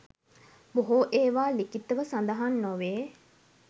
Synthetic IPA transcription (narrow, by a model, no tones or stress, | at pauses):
boɦoʔeːʋaːlikit̪ːəʋəsand̪aɦanːoʋeː